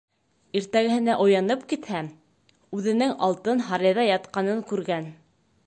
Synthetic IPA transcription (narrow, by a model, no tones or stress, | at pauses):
iɾt̪æɡɘ̆hɘ̆næʔŏjɑnɤpkit̪hæ | ʉðɘ̆nɘŋɑ̰lˠt̪ɤnɦɑɾiðɑjɑt̪̚qɑnɤŋkʉɾɡæn